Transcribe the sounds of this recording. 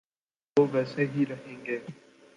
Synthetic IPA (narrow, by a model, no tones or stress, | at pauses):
oːɡɐsẽɦiɾɐɦẽːŋɡeː